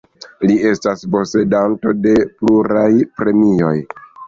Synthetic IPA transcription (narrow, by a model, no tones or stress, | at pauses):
lie̞staspo̞se̞danto̞de̞pluɾajpɾe̞mijo̞j